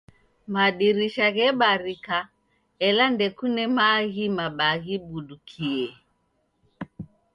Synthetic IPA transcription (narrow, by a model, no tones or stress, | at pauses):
maɗiɾiʃaɣɛɓaɾika | ɛlandɛkunɛmaɣimaɓaɣiɓuɗukʰiɛ